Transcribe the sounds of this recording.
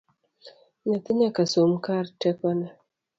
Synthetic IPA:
nat̪ɪɲakasomkaɾtɛkɔna

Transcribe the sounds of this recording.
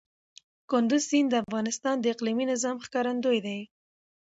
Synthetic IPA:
kʊnd̪ʊzsind̪əafɣɑnɪst̪ɑnd̪əɪqliminɪzɑmxkɑɾand̪ojd̪aj

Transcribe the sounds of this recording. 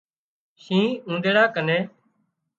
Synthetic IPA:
ʃĩːũːnd̪eːɽaːkəneː

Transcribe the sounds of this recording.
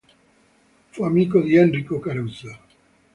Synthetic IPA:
fuamiːkod̪iɛnrikokaɾuza

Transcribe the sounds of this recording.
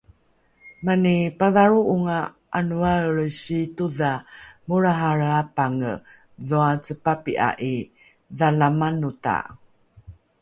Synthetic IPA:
manipaðaɾuʔuŋa | ʔanuaəɭəɕituðamuɭaɦaɾapaŋə̰ | ðoat͡səpapiʔa̰ʔi | ðalamanuta̰

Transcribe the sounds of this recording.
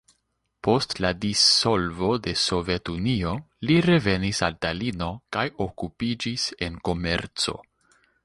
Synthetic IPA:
po̞stladiso̞lvo̞de̞so̞ve̞tunio̞ | liɾe̞ve̞nisaltalino̞kajo̞kupid͡ʒise̞nko̞me̞̰ɾt͡so̞̰

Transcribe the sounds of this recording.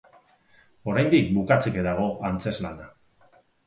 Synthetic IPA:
o̞ɾajnd̪ikbukat͡sekeðaɣ̞o̞ʔant͡se̞zlana

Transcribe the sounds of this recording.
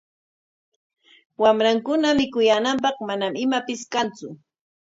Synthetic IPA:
wamɾaŋkʊnamɪkʊjanamp̬ɑχmanamɪmapɪskant͡sʊ

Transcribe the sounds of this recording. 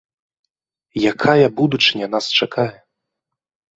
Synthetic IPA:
jakʰajɐbud̪ut͡ʂɨnʲɛn̪ast͡ʂakʰajɛ

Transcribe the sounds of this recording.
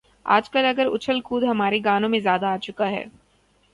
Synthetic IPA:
a̰ːd͡ʒkɐlɐɡəɾʊ̰t͡ʃʰəlkuːd̪ɦɐmaːɾeɡaːnõmẽzjaːd̪aːt͡ʃʊkaɦɛ̰ː

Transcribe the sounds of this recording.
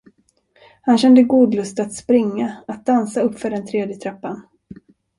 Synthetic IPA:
hanɕɛnd̪əɡuːd̪lɵst̪at̪spɾɪŋːaat̪̚d̪ansaɵpːfœɖɛnt̪ʰɾeːd̪jət̪ʰɾapːan

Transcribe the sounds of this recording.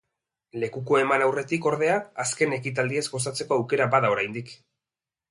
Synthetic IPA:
le̞kuko̞e̞manawre̞t̪iko̞ɾð̞e̞aːske̞ne̞kit̪̬ald̪ie̞zɡo̞s̬at͡se̞ko̞awke̞ɾabaðao̞ɾajnd̪ik

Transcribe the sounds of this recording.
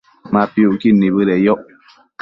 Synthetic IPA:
mapjuʔkinibɨlɛjɔʔ

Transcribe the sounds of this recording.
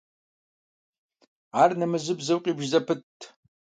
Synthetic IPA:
aːrnɐmɨzɨbzɐwqʼiːbʒzɐpʰɨtʰː

